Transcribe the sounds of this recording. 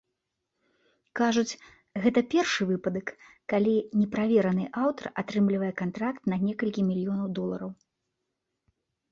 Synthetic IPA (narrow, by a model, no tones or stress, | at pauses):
kaʐut͡sʲ | ɣɛt̪ɐpʲɛrʂɨvɨpɐd̪ɐkː | alʲinʲɛpɾavʲɛɾɐnɨʔawt̪ɐ̰rat̪ɾɨmlʲivɐjɛkant̪ɾakt̪nɐnʲɛkɐlʲkʲimʲilʲijɔnɐwd̪ɔlˠɐɾɐw